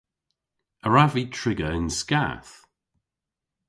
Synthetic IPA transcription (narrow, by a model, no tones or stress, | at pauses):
əɹaviːtʰɹɪɡəɪnska̰ːθ